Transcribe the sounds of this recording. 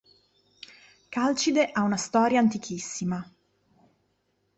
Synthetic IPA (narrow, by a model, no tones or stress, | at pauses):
kalt͡ʃid̪eʔaunast̪ɔːɾjaːnt̪ikʰisːima